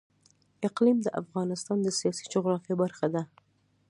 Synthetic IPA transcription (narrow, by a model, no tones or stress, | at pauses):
ɪqlimd̪əʔa̰fɣɑnɪst̪ɑnd̪əsijɑsi̥d͡ʒʊɣɾɑfjɑbaɾxad̪a